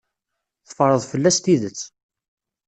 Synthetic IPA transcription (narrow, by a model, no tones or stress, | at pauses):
θə̥fɾˤəðˤfəlːæst̪iðət͡sː